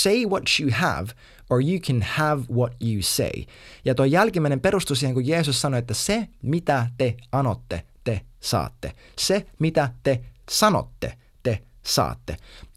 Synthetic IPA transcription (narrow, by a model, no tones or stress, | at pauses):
seɪwɔtjuhæ̰v | ə˞juːkʰæ̃nhævwɔtjuːsḛɪ | jɑt̪ojjælkimæinempeɾust̪usiːheŋkujeːsussɑnoet̪ːæsemit̪æt̪eɑnot̪ːḛt̪esɑ̰ːt̪ːḛ | semit̪æt̪esɑno̰t̪ːḛ | t̪esɑ̰ːt̪ːḛ